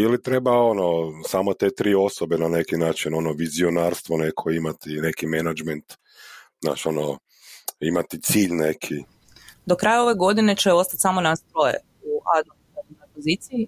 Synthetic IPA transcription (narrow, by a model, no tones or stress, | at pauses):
ilit̪ɾe̞bao̞nosamot̪e̞t̪ɾiːo̞sobenane̞kinaːt͡ʃino̞noʋizionaːɾst̪ʋo̞ne̞kʰo̞imat̪ine̞kimenad͡ʒment̪ | zna̰ːt͡ʃo̞no | imat̪it̪siːʎne̞kʰi | d̪okɾaːjao̞ʋe̞ɡo̞d̪ine̞t͡ʃeo̞st̪at̪ʲsamo̞nast̪ɾojḛ | uad̪o | onojpozit̪siji